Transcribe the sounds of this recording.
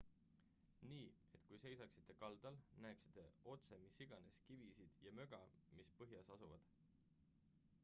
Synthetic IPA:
niːe̞t̪ˑkujse̞jsɑksi̥t̪ˑːe̞kɑld̪̥ɑlnæeksi̥t̪ˑːeo̞t̪se̞misːiɡ̥ɑne̞skivisid̪̥jɑmø̞ɡ̥ɑmispɤɦjɑsɑsuvɑd̪̥

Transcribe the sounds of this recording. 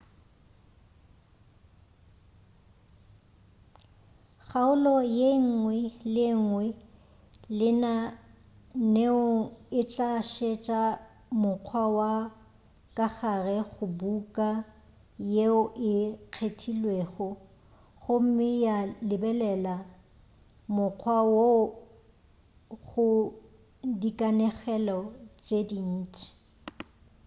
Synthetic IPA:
χaʊlɔjeŋ̩ŋwɛlɪŋ̩wɛ | lɪna | neʊɪt͡ɬʼaʃet͡ʃʼa | mʊq͡χʰwawa | kʼaχarɛɣʊbukʼa | jeʊʔɪq͡χʰetʰilweɣɔ | ɣʊm̩mɪjalɪbɛlɛla | mʊq͡χʰwawo | ɣʊ | dikʼanɛχɛlɔt͡ʃʼedin̩ːt͡ʃʼɪ̥

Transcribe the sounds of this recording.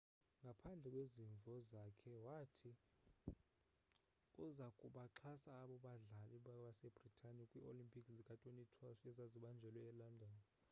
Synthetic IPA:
ŋɡʱapʰand͡ɮʱɛkʼweziɱvʱɔzakʰɛwatʰi | uzakʼuɓaǁʰasaːɓɔɓaɮaliɓaɓasɛb̥ʱritʼʰanikʼwiʔolimpʼiksikʼatʼwenitʰwaʃɛzaziɓand͡ʒʱɛlwɛːlandʱɔːna

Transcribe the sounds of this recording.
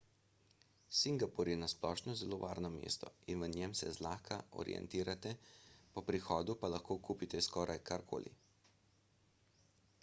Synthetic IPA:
siŋɡapɔɾjɛnasplɔːʃnɔzɛloːʋaːɾnɔmḛːst̪ɔ̰inʋənɛmsɛzlaːkʰaʔɔ̰ɾḭʔɛ̰nt̪iːɾat̪ɛpɔpɾixɔːd̪upalaxkoːkuːpit̪ɛskɔːɾʔajkaɾkʰo̰ːlḭ

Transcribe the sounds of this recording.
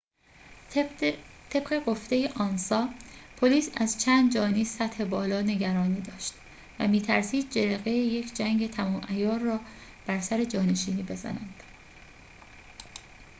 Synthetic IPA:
t̪ʰe̞b̥ɢe̞ɡo̞ft̪e̞jeʔɒːnsɒːpʰoliːsæzt͡ʃʰæːnd̪d͡ʒɒːniːsæt̪he̞bɒːlɒːne̞ɟæɾɒːniːd̪ɒːʃt̪ | væ̰miːt̪ʰæɾsiːd̪̥̚d͡ʒeɾeɣejeje̞kʰd͡ʒæŋɡe̞t̪ʰæmɒːmʔæjɒːrːɒːb̥æɾsæɾe̞d͡ʒɒːne̞ʃiːniːbe̞zæ̰næ̰nd̪̥

